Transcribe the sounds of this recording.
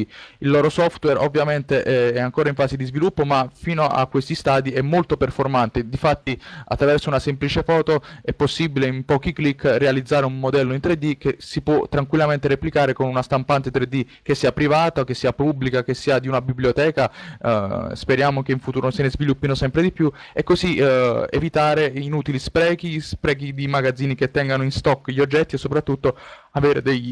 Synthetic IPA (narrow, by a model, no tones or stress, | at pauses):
ilːɔːɾosɔft̪wɛɾovːjament̪eʔɛɛaŋkoːɾaiɱfaːsed̪izvilupːomafiːnoʔa̰kːwest̪ist̪aːd̪iɛmːolt̪operformant̪ed̪ifat̪ːia̰t̪ːɾavɛrsounasɛmplit͡ʃefɔːt̪oɛpːosːibileimpɔːkiklikːrealid̪zːaːɾeummod̪ɛlːoint̪ɾed̪ːik̟esipwɔt̪ːɾaŋkwilːament̪eɾeplikaːɾekonunast̪ampant̪et̪ɾed̪ːi | k̟esːiːapɾivaːt̪ok̟esːiːapubːlikak̟esːiːad̪iunabibljot̪ɛːka | speɾjaːmok̟eiɱfut̪uːɾosenezvilupːinosɛmpɾed̪ipju | ekːoziḛvit̪aːɾeinuːt̪ilispɾɛːkispɾɛːkid̪imaɡad̪zːiːniket̪ːɛŋɡanoinst̪ɔkːʎiod͡ʒːɛt̪ːiesːopɾat̪ːut̪ːo | aveːɾed̪ej